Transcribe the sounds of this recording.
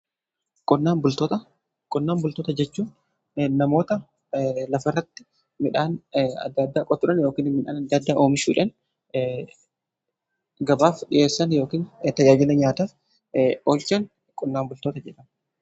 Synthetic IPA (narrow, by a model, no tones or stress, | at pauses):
kʼɔnːaːmbʊlt̪ɔt̪ɐ | kʼɔnːaːmbʊlt̪oːt̪ɐd͡ʒɛt͡ʃːuːn | nɐmo̞ːt̪ɐ | lɐfɐrːɐt̪ːɪ̥ | mɪᶑaːnɐ̰d̪ːad̪ːaːkʼɔt̪ːʊᶑɐnjo̞ːkiːnmɪᶑa̰ːnɐd̪ːad̪ːaːʔo̞ːmɪʃuːᶑɐn | ɡɐbaːfᶑɪjʔe̞ːsːɐnjo̞ːkiːnt̪ɐjaːd͡ʒɪnɐɲaːt̪ɐ | oːlt͡ʃɐn | kʼɔnːaːmbʊlt̪oːt̪ɐd͡ʒɛᶑɐn